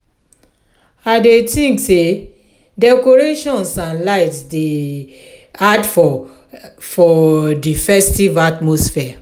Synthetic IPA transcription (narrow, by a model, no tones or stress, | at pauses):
adetĩŋkse | dɛkoɹeʃɔ̃nsãnlaɪtsde | adfɔ | fɔdifɛstivatmosfɛa